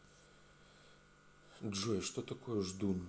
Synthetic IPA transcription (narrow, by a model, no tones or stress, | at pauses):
dʐɔjʂt̪ot̪ɐkɔjɛʐd̪un